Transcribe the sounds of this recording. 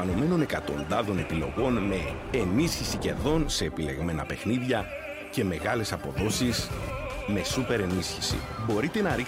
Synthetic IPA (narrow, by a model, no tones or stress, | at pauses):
ɐno̞me̞no̞ne̞kɐt̪o̞nd̪ɐðo̞ne̞pilo̞̰ɣo̞nme̞ː | nisçisice̞̰ðo̞nse̞ːpile̞ɣme̞nɐ̰pe̞xniðʝɐ | ce̞me̞ɣɐle̞sɐpo̞ðo̞sisme̞supe̞ɾe̞nisçisḭbo̞ɾit̪e̞nɐɾik